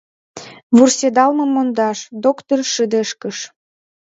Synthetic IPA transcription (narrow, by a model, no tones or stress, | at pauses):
βursed̪ɑlməmːond̪ɑʃd̪okt̪orʃəd̪eʃkəʃ